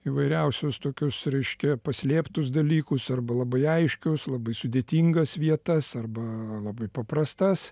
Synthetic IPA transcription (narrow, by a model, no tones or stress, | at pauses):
iʋɐɪɾʲɛʊsʲʊst̪oːkʲʊsɾʲɛɪʃʲkʲɛpɐsʲlʲeːpt̪ʊs̬d̪ɐlʲiːkʊsɐrbɐlˠɐbɐɪɐɪʃʲkʲʊslˠɐbɐɪsʊd̪ʲeːt̪ʲiːŋɡɐsʋʲiɛt̪ɐsɐrbɐlˠɐbɐɪpɐpɾɐst̪ɐs